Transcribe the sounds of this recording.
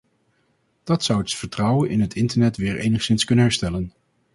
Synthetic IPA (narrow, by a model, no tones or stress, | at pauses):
d̥ɑtsʌwətfəɹtrʌwənʔɪnɦətʰɪntəɹnɛtʋɪːɹʔḛjnəχsɪnskɵnənɦɛɹstɛlən